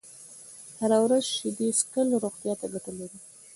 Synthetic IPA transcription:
haɾawɾazʃed̪eskəlɾoɣt̪jɑt̪aɡaʈəlaɾi

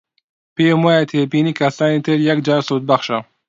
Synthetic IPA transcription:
pemajat̪ʰeːpinikasaːnit̪ʰeɾjɐk̚d͡ʒaːɾsut̪̚baxʃa

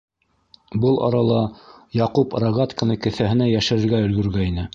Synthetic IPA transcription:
bɤlˠʔɑ̰ɾɑlˠɑjɑqupɾɑɣɑt̪kɤ̆nɤkɘ̆θæɦɘ̆næjæʃɘ̆ɾɘ̆ɾɡæɵ̆lɡɵ̆ɾɡæinɘ

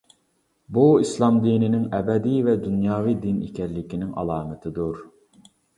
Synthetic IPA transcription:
buislˠɑmd̪inɪnɪŋɛbɛd̪ijvɛd̪unjɑːvijd̪inḭkʲʰɛɾlɪkʲinɪŋʔɑ̰lˠɑːmɪt̪ʰɪd̪uɾ

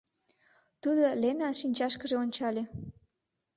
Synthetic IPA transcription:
t̪ud̪olenɑʃinʲt͡ɕɑʃkəʒeonʲt͡ɕɑlʲe

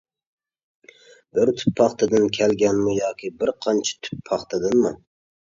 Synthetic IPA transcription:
b̥ɪɾt̪ʰy̥pʰːɑχt̪ɨd̪ɨnkʲʰɛlɡʲɛnmujɑːkʲʰibɪɾqʰɑnt͡ʃʰɪ̥t̪ʰy̥pʰːɑχt̪ʰɨd̪ɨnmu

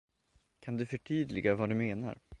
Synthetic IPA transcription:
kʰand̪ɵfœʈʰyːd̪lɪɡavad̪ɵmeːna̰ɾ

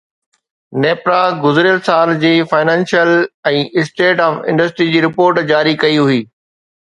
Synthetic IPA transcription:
neːpɾaɡʊzɾjəlsaːld͡ʑiːfaːɪnɛ̃ːnʃijəlɛ̃ːʔɪsʈeːʈɔːfɪ̰̃ɳɖəsʈɾid͡ʑiːɾɪpoːɾʈd͡ʑaːɾikɐiɦʊiː

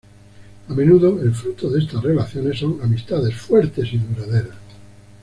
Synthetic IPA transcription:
amẽ̞nuðoelfɾut̪oðest̪arelaθjone̞sːo̞ŋamist̪aðe̞sfweɾt̪e̞siðuɾaðeɾas

